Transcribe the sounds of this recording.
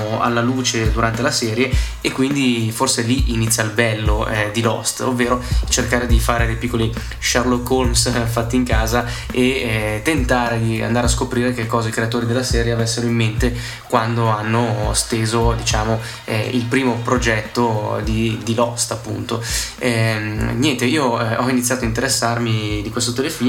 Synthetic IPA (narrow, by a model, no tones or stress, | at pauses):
a̰lːaluːt͡ʃed̪uɾʔant̪elasɛːɾjeekːwind̪iforseliʔinit̪sːjalbɛlːoɛd̪ilɔ̰st̪ovːeːɾot͡ʃerkaːɾed̪ifaːɾed̪ejpikːoli | ʃarlokːolmsfat̪ːiːŋkaːza | eɛt̪ːent̪aːɾed̪ia̰nd̪aːɾeaskopɾiːɾekekːɔːzaikɾeat̪oːɾid̪elːasɛːɾjeavɛsːeɾoimːent̪e | kwand̪oanːost̪eːzod̪it͡ʃaːmo | ɛ̰ḭlpɾiːmopɾod͡ʒɛt̪ːod̪id̪ilɔst̪apːṵnt̪oɛmɲjɛnt̪eiːoɛɔinit̪sːjaːt̪oaint̪eɾesːarmid̪ikwest̪ot̪elefiː